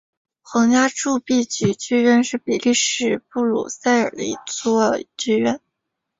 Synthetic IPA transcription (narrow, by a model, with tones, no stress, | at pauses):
xɤ˧˥ŋja˥ʈ͡ʂu˥˧pi˥˩t͡ɕy˨˩t͡ɕy˥ɥɛ˥˧nʂɻ̩˥˩pi˨˩li˥˧ʂɻ̩˥˩pu˥˩lṵ˨˩sa˥˩ɪə̰˞˨˩d̪ə˧ḭ˧˥t͡swɔ˥˧t͡ɕy˥ɥɛ˥˩n